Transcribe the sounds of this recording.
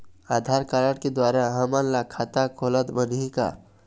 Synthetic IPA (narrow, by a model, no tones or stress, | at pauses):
aːd̪ʱaɾkaɾəɽked̪waɾaɦəmənlakʰat̪akʰolət̪bənika̰